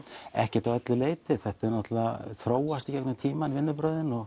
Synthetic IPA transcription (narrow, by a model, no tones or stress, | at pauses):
ɛ̰hcɛ̥ɾt̪awœt̪lʏleːjt̪ɪθɛht̪ɛɾnɔht̪alaθɾoːwast̪icɛknʏt̪ʰiːmanvɪnːʏpɾœːɥðɪnɔɣ